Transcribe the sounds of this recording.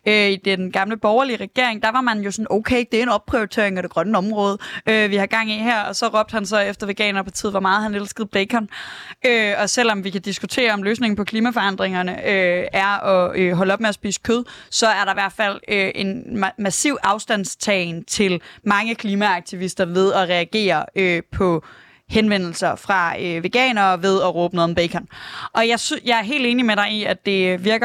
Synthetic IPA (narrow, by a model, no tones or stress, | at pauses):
øid̥eɡ̥ɑ̈mləb̥ɒʊɐliəʁɛɡ̥e̝ɐ̰e̝ŋd̥ɑ̈ʋɑ̈mænjo̝sɒ̽noʊkʰeɪd̥e̝æɐe̝nɒ̽b̥̚pʰʁioit͡sʰe̝ɐeŋɒɾ̥e̝ɡ̥ʁɶnəɒ̽mʁɔ̽ːð̞ˠʔøʋihɑ̈ɡ̥ɑ̈ŋ̰iɦæɐ̰ɒ̽sɒ̽ʁɒ̽b̥̚d̥hænsɒ̽efd̥ɐʋe̝ɡ̥ɛ̰ːnɐpʰɒt͡sʰið̰ˠʋɒ̽mɑ̈ːð̩ˠhænelsɡ̥əð̩ˠb̥leɪkʰɒnøɒ̽sel̰ɒ̽mʋikæd̥isɡ̥ut͡sʰe̝̰ːɐɒ̽mløːsne̝ŋn̩pʰɒ̽kʰliːmæfɒ̽ɑ̈n̰d̥ʁeŋɐnəøʔæɐɒ̽øɦɒ̽ləɒ̽b̥meɒsb̥ḭːsə̥kʰøð̞ˠsɒ̽æɐɾɑ̈iʋæɐd̥fæl̰øʔe̝nmæsiʊ̰ʔɑ̈ʊsd̥æn̰st͡sʰɛɪnt͡sʰe̝lmɑ̈ŋəkʰliːmæɑ̈ɡ̥̚t͡sʰiʋisd̥ɐʋe̝ð̞ˠɒʁɛæɡ̥e̝̰ːɐøpʰɒ̽ | henʋen̰l̩sɐfʁɑ̈øʋe̝ɡ̥ɛ̰ːnɐʋe̝ð̞ˠɒʁɔːb̥ənoðˠm̩b̥eɪkʰɒnʔɒ̽jɑ̈ɪsjɑ̈ɪæɐɦe̝̰ld̥eːnimeɾɑ̈ɪiæd̥e̝ʋiɐɡ̥ɐ